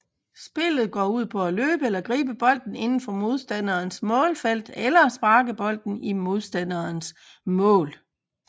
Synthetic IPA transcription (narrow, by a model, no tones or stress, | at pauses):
sb̥e̝lð̞̩ˠɡ̥ɒ̰ːuð̞̰ˠpʰɒ̽æløːb̥əelɐɡ̥ʁḭːb̥əb̥ɒ̽l̰d̥n̩e̝nn̩fɒ̽mo̝ð̞ˠsd̥æn̰ɐːnsmɔ̽ːlfel̰d̥elɐsb̥ɑ̈ːɡ̥əb̥ɒ̽l̰d̥n̩imo̝ð̞ˠsd̥ænɐːns | mɔ̰̽ːl